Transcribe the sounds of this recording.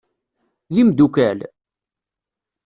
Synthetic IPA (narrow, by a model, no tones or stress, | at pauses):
ðimd̪ukæl